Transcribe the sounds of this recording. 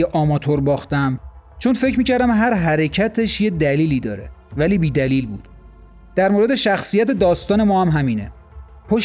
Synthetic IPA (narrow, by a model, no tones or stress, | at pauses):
eʔɒːmɒːt̪ʰoɾbɒːxt̪æmt͡ʃʰo̞nfe̞cʰɾmiːcʰæɾd̪æmɦæɾɦæɾe̞cʰæt̪ʰe̞ʃje̞d̪æliːliːd̪ɒːɾe̞̰væliːbiːd̪æliːlbuːd̪̥ | d̪̥æɾmoɾe̞d̪e̞ʃæxsijæt̪e̞d̪ɒːst̪ɒːne̞mɒːhæmɦæmiːne̞̰ | pʰoʃ